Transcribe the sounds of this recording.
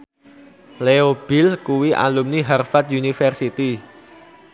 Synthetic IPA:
leob̥ɪ̤lkuwiʔa̰lumniɦarfat̪̚junifɛrsit̪i

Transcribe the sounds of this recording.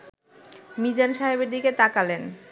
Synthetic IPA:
mid͡ʑanʃaɦibeɾd̪iket̪akalen

